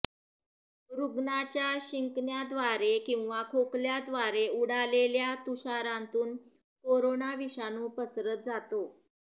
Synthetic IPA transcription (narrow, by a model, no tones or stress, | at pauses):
ɾuɡnat͡ɕjaɕiŋknjad̪ʋaɾekĩw̃ʋakʰokljad̪ʋaɾeuɽaleljat̪uɕaɾãnt̪uːn | koɾonaʋiɕanuːpəsɾət̪̚d͡zat̪o